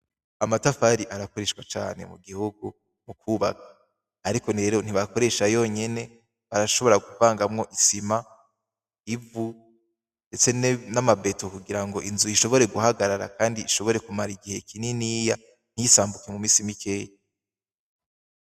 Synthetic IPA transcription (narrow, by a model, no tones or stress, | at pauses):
amatafaɾiʔaɾako̞ɾe̞ʃwat͡ʃa̰ːne̞̰mṵɡihuɡu | mukʰuβa̰kḁː | ɾiko̞ne̞ːɾo̞n̥iβako̞ɾe̞ʃajo̞ɲe̞ne̞ | βaɾaʃo̞βo̞ɾaɡuvaːŋɡamŋo̞ʔisima | ivu | nde̞t͡se̞namabetokuɡiɾaŋɡo̞ʔinzuiʃo̞βo̞ɾe̞ɡuhaɡaɾaɾa̰kaːndiːʃo̞βo̞ɾe̞kumaɾiɡihe̞kininiːja | n̥hijisaːmbuke̞mumiːsimikʰe̞ja